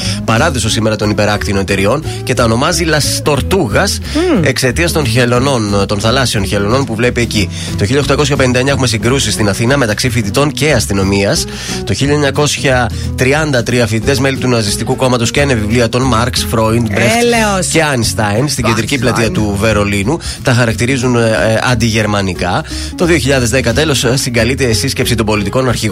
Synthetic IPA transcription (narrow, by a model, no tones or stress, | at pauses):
pɐɾɐðoso̞sime̞ɾɐt̪o̞nipe̞ɾɐkt̪io̞net̪e̞ɾio̞n | ce̞t̪ɐo̞no̞mɐzilɐst̪o̞ɾt̪uɣɐs | e̞kse̞t̪iɐst̪o̞nçelono̞nt̪o̞nθɐlɐsio̞nçe̞lo̞no̞npuvle̞pie̞ci | t̪oçiʎːɐext̪ɐko̞sçɐpe̞nind̪ɐe̞ɲɐxume̞siŋɡɾusist̪inɐθinɐme̞t̪ɐksifit̪it̪o̞nce̞ɐst̪ino̞miɐs | t̪o̞çiʎɐeɲɐko̞sçɐt̪ɾiɐnd̪ɐt̪ɾiɐfit̪it̪e̞zme̞lit̪unɐsist̪ikuko̞mɐt̪osceɐnevivliɐt̪o̞nmɐɾksfɾoind̪bɾeceɐnst̪ɐjnst̪iɟend̪ɾiciplɐt̪iɐt̪uve̞ɾo̞linu | t̪ɐxɐɾɐkt̪iɾizunɐ̰nd̪iʝe̞ɾmɐnikɐ | t̪o̞ðio̞çiʎɐðe̞zðekɐt̪e̞lo̞ssiŋɡɐlit̪esisce̞psit̪ombo̞lit̪iko̞nɐɾçiɣ